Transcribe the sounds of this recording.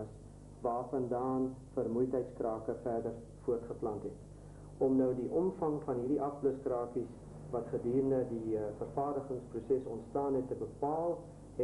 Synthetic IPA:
əs | vɑːfɐndɑːnfərmujtɦəjtskrɑːkəfæːrdər | fuətχəplɐntɦɛt | ʔɔmnəwdiʔɔmfɐŋfɐnɦiːrdiʔɐfbləskrɑːkis | vɐtχədiːrəndədifərfɑːrdəχəŋsprusɛsɔntstɑːnɦɛtːəbəpɑːlˠ | ɛ

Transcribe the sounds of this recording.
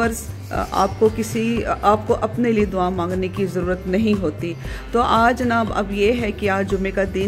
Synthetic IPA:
ɐɾz | a̰ːp̚kokɪsiaːp̚koʔɐpnelied̪ʊaːmãːŋɡnekizɐɾuːɾət̪nɐɦĩɦoːt̪i | t̪oːʔaːd͡ʒɐnaːbɐ̰bjeɦɛkiaːd͡ʒʊmẽkad̪i

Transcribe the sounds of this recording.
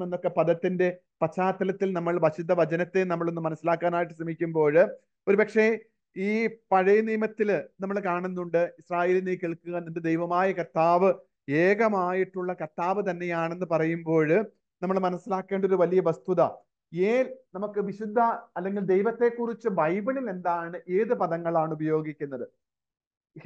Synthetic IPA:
enːo̞kːe̞pɐðɐt̪ːinde̞ | pɐt͡ɕːaːt̪ːɐlɐt̪ːilnɐmːɐɭʋɐɕud̪ʱːɐʋɐt͡ɕɐnɐt̪ːenɐmːɐɭo̞nːumːɐnɐsːilaːkːaːnaːjiʈ̬ːɨ̥ɕrɐmikʲːumbo̞ːɻ | o̞ɾupɐkʂe̞ | iːpɐɻɐjɐniːmɐt̪ːilnɐmːɐɭkaːɳunːuɳɖɨisraːje̞ːlinekiɭkːuɣɐnnd̪ɨd̪ejʋɐmaːjɐkɐt̪ːaːʋɨ | eːɡɐmaːjiʈːuɭːɐkɐt̪ːaːʋɨt̪̬ɐnːe̞jaːɳe̞nːɨpɐrɐjumbo̞ːɻ | nɐmːɐɭmɐnɐsːilaːkːe̞ːɳɖo̞ɾuʋɐlijɐʋɐst̪uðɐ | jeːlnɐmukːɨʋiɕud̪ʱːɐɐlːe̞ŋɡild̪ejʋɐt̪ːe̞kːurit͡ɕːɨbɐjbɐɳile̞nd̪aːɳɨʔeːðɨpɐðɐŋːɐɭaːɳubɐjo̞ːɡikʲːunːɐðɨ

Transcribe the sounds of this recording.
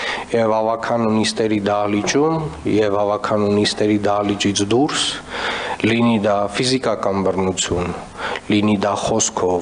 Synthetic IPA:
jɛvɑvɑkʰɑnunist̪ɛɾid̪ɑlit͡ʃumjɛvɑvɑkʰɑnunist̪ɛɾid̪ɑlit͡ʃit͡sʰd̪uɾs | linid̪ɑfizikɑkɑnbərnut͡sʰjun | linid̪ɑχɔskʰɔv

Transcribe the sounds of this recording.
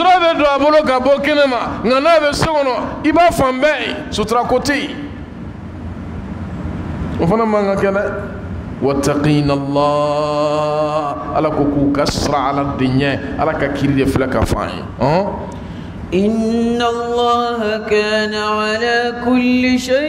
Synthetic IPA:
sɾabɛdõabolokabokenemaŋɡanabɛsekɔnɔibafãmbɛjḛsotiɾakote | ofanamãŋɡãkɛlɛ | watːaqinalːaː | a̰lakokukasiɾaaladeɲɛ̃a̰lakakiɾideflaka̰fã̰jḛ | ʔɪnːalːaːɦakaːnaʕalaːkʊlːiʃe

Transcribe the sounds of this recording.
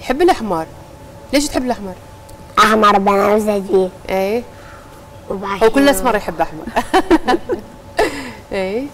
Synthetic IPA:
jħɪbːɪlʔaħmɑɾˤ | leːʃ̬t̪ħɪbːɪlʔaħmɑɾˤ | ʔaħmɑɾˤbanazdiʔeː | hwkʊlːʔasmɑɾˤjħɪbːʔaħmɑ̰ɾɾˤ | ʔeː

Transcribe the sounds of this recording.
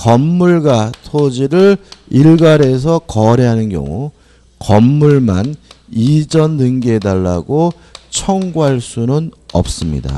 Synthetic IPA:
kʌmːuɭɡatʰod͡ʑiɾɯɭiɭɡaɾe̞s̬ʰʌkʌɾeɦanɯnɡjʌ̰ŋu | kʌmːuɭman | id͡ʑʌnːɯŋɡedaɭːa̰ɡo | t͡ɕʰʌŋɡuɦaɭs͈unɯnʌ̰p̚s͈ɯmɲḭda̰

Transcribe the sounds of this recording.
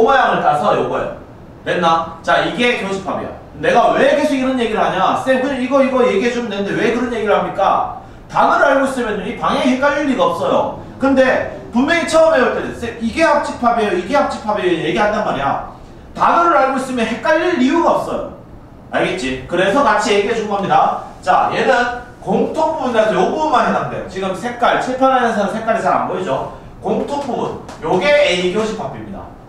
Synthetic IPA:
obajaŋɯɭtasʰʌjoɡʌ̰jo̰ | we̞nːat͡ɕaiɡe̞kjoŋsʰɯ̥pʰabḭja̰ | ne̞ɡawe̞ke̞sʰoɡinʌnje̞ɡiɾɯɭɦaɲas͈ebʰɯiɡʌiɡʌje̞ɡiɦed͡ʑomɯndenɯnde̞we̞kɯɾʌnje̞ɡiɾɯɭhamɲik͈a̰ | tanɯɾɯaɭmois͈ɯmjenuɲipaŋeihek͈aʎːiɭːiɡaʌp̚s͈ʌjo̰ | kɯnde̞punmeŋit͡ɕʰʌːme̞uɭt͈edes͈ekiɡe̞hap̚t͡ɕ͈ʰik̚pʰabiejoiɡe̞hap̚t͡ɕ͈ik̚pʰabejoje̞ɡiɦandanmaɾija̰ | tanoɾɯɾaɭɡois͈ɯmjʌnhe̞k͈̚aɭːiːiuɡaʌp̚s͈ʌjo̰ | aɭɡe̞t̚t͡ɕ͈ikɯɾe̞sʰʌkat͡ɕʰije̞ɡiɦed͡ʑuŋɡoamɲidat͡ɕa̰jenɯn | koŋtʰop͈umɯnkad͡ʑʰʌjobunmanɦenandḛjot͡ɕiɡɯmsʰe̞k̚k͈aɭsʰipʰjʌnɦamʌnsʰʌnɯnsʰe̞k͈aɾisʰaŋa̰nboid͡ʑo | koŋtʰop͈ʰumunjoɡe̞ːiɡioɕʰip͈ʰap͈imɲida̰

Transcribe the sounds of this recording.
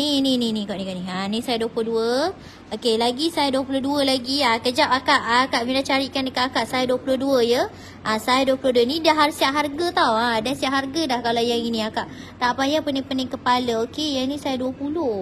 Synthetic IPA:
ninininĩkaʔnikaʔniɦanĩsajaduəpulohduə | okelaɡisajaduwəpuloduəlaɡiakəd͡ʒapakaʔakaʔmilat͡ʃaɾiʔkandəkaʔ̪akaʔsajaduəpuloduəjə | ʔasajaduəpulohduənidaɦaɾusiaʔɦarɡat̪awadasiaʔɦarɡadahkalawjaŋinĩakaʔ | t̪aʔpajapənɪŋpənɪŋkəpaləokejainisajəduəpuloh

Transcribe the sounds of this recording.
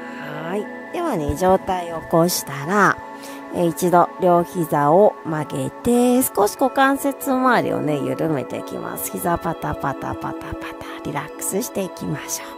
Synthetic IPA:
hai | d̪eβane̞d͡ʑo̞ːt̪aioko̞ɕi̥t̪aɾa | eit͡ɕid̪o̞ɾʲjo̞ːçizaomaɡe̞t̪e̞sɨ̥ko̞ɕi̥ɡo̞kãɰ̃se̞t͡sɨmaːɾʲḭo̞̰ne̞jɯ̟̰ɾɯ̟me̞̰t̪e̞̰ḭkʲḭmʔa̰sɨ̥çizapap̪atpat̪a̰pa̰t̪apḁt̪ḁɾʲiɾakɯ̥sɨɕi̥t̪e̞ikʲimaɕoː

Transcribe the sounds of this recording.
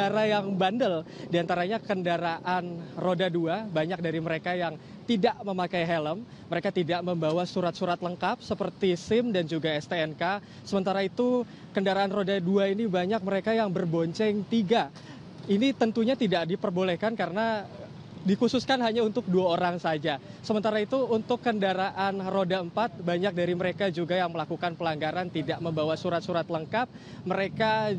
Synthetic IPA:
aɾajaŋbandəldiant̪aɾaɲakəndaɾaʔanrodaduabaɲak̚daɾiməɾekajaŋ | t̪idaʔməmakajɦɛləmːəɾekat̪idaʔməmbawasuɾat̪̚suɾat̪ləŋkap̚səpərt̪isɪmdand͡ʒuɡaɛst̪eɛnka | səmənt̪aɾait̪u | kəndaɾaːnrodaduainibaɲak̚məɾekajaŋbərboɲt͡ʃɛŋt̪iɡa | init̪ənt̪uɲat̪idaʔdipərbolɛhkankaɾəna | dikususkanɦaɲaunt̪ʊk̚duaoɾaŋsad͡ʒasəmənt̪aɾait̪uːnt̪ʊkːəndaɾaʔanrodaəmpat̪̚baɲak̚daɾiməɾekad͡ʒuɡajaŋməlakukanpəlaŋɡaɾant̪idaʔməmbawasuɾat̪̚suɾat̪ləŋkap̚ | məɾeka

